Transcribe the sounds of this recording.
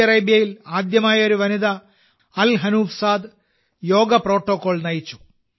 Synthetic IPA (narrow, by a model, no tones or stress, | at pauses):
ɐreːbjɐjilaːd̪jɐmaːjɐo̞ɾuʋɐnid̪ɐ | ɐlɦɐnuːfsaːd̪ | jo̞ːɡɐpro̞ːʈːoːkːo̞ːɭnɐjit͡ɕːu̥